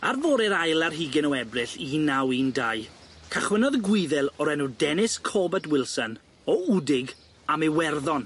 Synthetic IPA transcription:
arvoːɾɛɾajlˠarɦiːɡɪnəwɛbrɪɬinawiːndajkʰaχwənɔðɡwɪðɛlˠɔɾɛnudɛnɪskʰɔbɛtwɪlˠsən | ɔudɪɡ | amewɛrðɔn

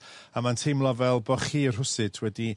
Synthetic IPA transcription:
amantʰejmlˠɔvɛlˠbɔχiːr̥ɦʊsɨtʰwɛdi

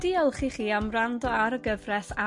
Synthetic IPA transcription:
d̥iːəlˠχiχiːamrandɔaɾəɡəvrɛθa

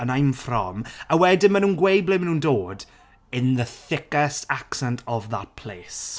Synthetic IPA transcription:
ənajmfrɔ̰mawɛdɪnmanuːnɡwejblɪmənũːndoːd | ɪnðəθɪkɛstʰaksɛntʰɔvða̰tpʰl̥eːs

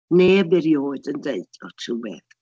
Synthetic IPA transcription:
neːbɛɾjoːdəndeɨd̥ɔtʰuwɛ̰ð

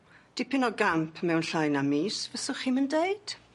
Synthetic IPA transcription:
d̥ipʰɪnɔɡampʰmɛwnɬajnamiːsvəsʊχiːməndejd̥

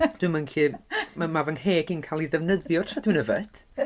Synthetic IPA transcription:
d̥wɨmanɬʰiːmmavənheːɡinkʰalˠiðɛvnəðjɔrtʰradwɨnəvɛd̥

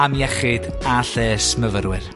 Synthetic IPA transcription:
amjɛχɨd | aɬɛːsməvəɾwɪr

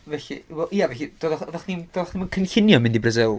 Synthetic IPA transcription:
vɛɬḭwɛlˠiavɛɬid̥oːdðɔðɔχnimd̥oːðχnimənkʰənɬɪnjɔmɪndibrəzɪlˠ

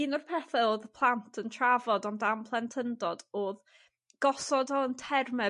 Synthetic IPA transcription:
inɔrpʰɛθɛoːðəpʰlˠantʰəntʰravɔdɔndampʰlˠɛntʰəndɔdoːð | ɡ̥ɔsɔdɔəntʰɛrmɛ

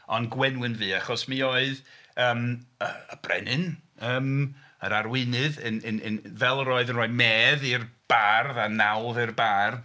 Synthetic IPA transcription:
ɔnɡwɛnwɨnvɨːaχɔsmioːɨðəːmə̰əb̥rɛ̰nɨnəːm | ə̰ɾarwɪnɨðənənənvɛlˠəɾoːɨðənroːɨmɛːðɪrb̥arðanawlˠðɨrbarð

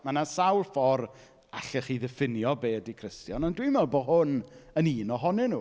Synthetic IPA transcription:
manasawlˠfɔr | a̰ɬɛχiðɛfɪnjɔbeːdikʰr̥ɪstjɔnɔndwimɛlˠboːɦʊnəniːnɔɦɔnɪnu

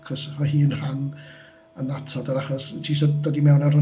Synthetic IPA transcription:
kɔsmahiːnran | ənatʰɔdaɾaχɔstʰiːsɔdɔdimɛwnarʊ

